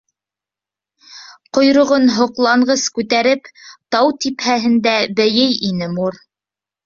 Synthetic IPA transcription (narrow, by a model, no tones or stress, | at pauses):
qŏjɾŏʁonɦŏqlˠɑɴɢɤskʉt̪æɾɘpt̪ɑwt̪iphæɦɘ̆nd̪æbɘjɘjinɘmuɾ